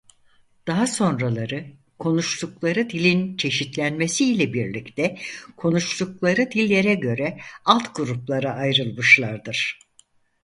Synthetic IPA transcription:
d̪̥aɦaso̞nɾalˠaɾɯ | kʰo̞nuʃlˠuklˠaɾɯd̪ilʲint͡ʃʰe̞ʃit̪lʲænme̞siːlʲɛbiɾlʲict̪ʰɛkʰo̞nuʃlˠuklˠaɾɯd̪ilʲːe̞ɾɛɟø̞ɾɛalˠt̪ɡuɾuplˠaɾaʔajɾɯlˠmɯʃlˠaɾd̪ɯɾ̥

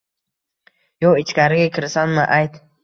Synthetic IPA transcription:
joit͡ʃkaɾɡikʰəɾsanmaʔajt̪

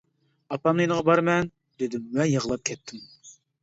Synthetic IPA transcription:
ɑpɑmnɨjnəʁɑbɑɾmɛn | d̪ɪd̪ɪmwɛjəʁəlˠɑp̚kʲʰɛt̪ʰːɪm

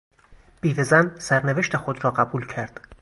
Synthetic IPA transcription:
b̥iːvezænsæɾneve̞ʃt̪ʰexod̪ɾɒːɢæbuːlcʰæɾd̪̥

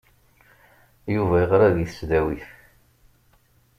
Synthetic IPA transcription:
juvæəʁɾæðiθəsðæwiθ

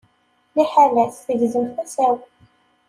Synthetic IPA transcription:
liħalæθθəʝzəmθæsæw

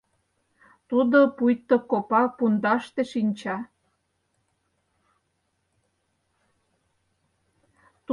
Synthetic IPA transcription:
t̪ud̪opujt̪ːokopɑpund̪ɑʃt̪eʃinʲt͡ɕɑ | t̪

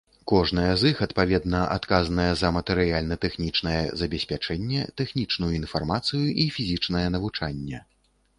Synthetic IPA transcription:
kɔʐn̪ɐjɛzɨxɐt̪pavʲɛd̪nɐʔa̰t̪kazɐnɐjɛzɐmɐt̪ɛɾɨjalʲnɐt̪ɛxnʲit͡ʂnɐjɛzɐbʲɛsʲpʲat͡ʂɛnʲːɛt̪ɛxnʲit͡ʂnujuinfarmat̪sɨjuʔifʲizʲit͡ʂnɐjɛn̪ɐvut͡ʂanʲːɛ

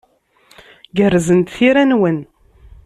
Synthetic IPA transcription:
ɡərːzənt̪θiɾænwən

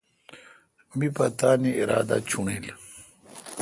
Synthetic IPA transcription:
mipɐt̪aːniiɾaːd̪a̰t͡ɕʰuɳil

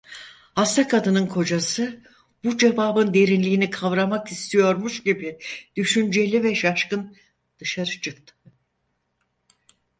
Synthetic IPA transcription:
hast̪ʰakʰad̪ɯnɯnkʰo̞d͡ʒasɯ | bud͡ʒe̞vaːbɯnd̪e̞ɾinlʲiːnikʰavɾamakist̪ʰijo̞ɾmuʃɟibid̪̥yʃynd͡ʒe̞lʲivɛʃaʃkɯn | d̪̥ɯʃaɾɯt͡ʃʰɯkt̪ʰɯ̥

